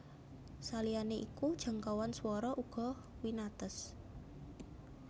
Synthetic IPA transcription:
salianeʔikud̥ʒ̥a̤ŋkawanswɔɾɔʔuɡ̥ɔ̤ | winat̪əs

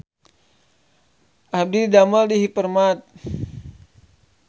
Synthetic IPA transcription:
ʔab̚didamaldiɦipərmat̪̚

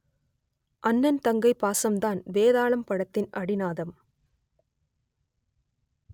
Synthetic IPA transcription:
ʔɐnːɐnt̪ɐŋɡɐɪpːaːsɐmd̪aːnʋeːðaːɭɐmpɐɽɐt̪ːɪnʔɐɽɪnaːðɐm

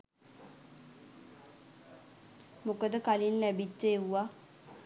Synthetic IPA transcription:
mokəd̪əkalinlæbit͡ʃːəewʋa

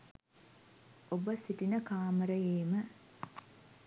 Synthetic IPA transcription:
obəsiʈinəkaːməɾəjeːmə

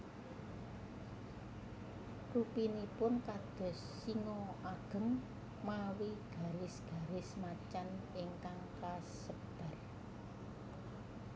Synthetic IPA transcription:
rupinipʊnkad̪̥ɔ̤s | iŋɔʔaɡ̥ə̤ŋ | mawiɡ̥a̤ɾɪsɡ̥a̤ɾɪsmat͡ʃanɪŋkaŋkasəpd̪̥a̤r

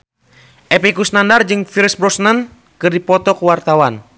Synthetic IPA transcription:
ʔɛpɛkusnandard͡ʒɨŋfiɾsbɾɔsnən | kɨrdipɔt̪ɔkuwart̪awan

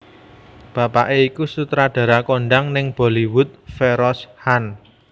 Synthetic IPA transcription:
b̥ä̤paʔeikusut̪ɾaɖ̥ä̤ɾakoɳɖaŋnɪŋb̥o̤liwʊt̪̚feɾɔshan

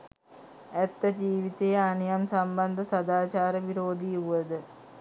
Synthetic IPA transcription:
ɛt̪ːɐd͡ʒiːʋit̪ejɐɐnijɐmsɐmbɐnd̪ʱɐsɐd̪aːt͡ʃaːɾəʋiɾoːd̪iuʋɐd̪ɨ

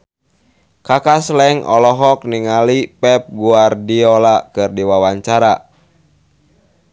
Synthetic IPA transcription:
kakaslɛŋʔɔ̰lɔɦɔk̚niŋalipɛp̚ɡuardiɔlakɨrdiwawaɲt͡ʃaɾa

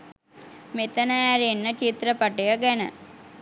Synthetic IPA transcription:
met̪ənəæɾenːət͡ʃit̪ɾəpaʈejəɡɛnə̰

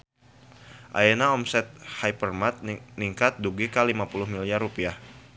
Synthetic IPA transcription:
ʔa̰jenaɔmsɛt̪̚hajpərmat̪̚niŋkat̪̚duɡikalimapulʊhmiliarupiah

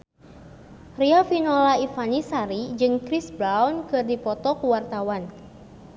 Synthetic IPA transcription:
riafinɔlaifanisaɾid͡ʒɨŋkɾisbɾawnkɨrdipɔt̪ɔkuwart̪awan

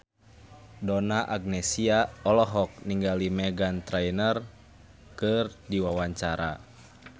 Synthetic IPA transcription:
dɔnaʔaɡ̚nɛsiaɔlɔɦɔk̚niŋɡalimɛɡant̪ɾajnər | kɨrdiwawaɲt͡ʃaɾa̰

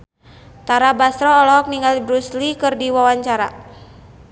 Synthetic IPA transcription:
t̪aɾabast̪ɾɔːlɔɦɔk̚niŋɡalbɾuslikɨrdiwawaɲt͡ʃaɾa̰

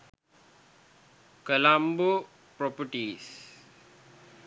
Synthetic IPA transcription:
kəlambu | pɾopəʈiːs

